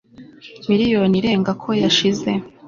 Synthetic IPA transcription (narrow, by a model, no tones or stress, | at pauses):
miɾijo̞niɾe̞ːŋɡakʰo̞jaʃize̞